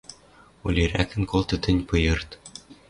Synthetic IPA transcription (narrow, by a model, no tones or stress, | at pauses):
ulʲiɾækɘ̆nkolt̪ɤ̆t̪ɘ̆nʲpɤjɤ̆rt̪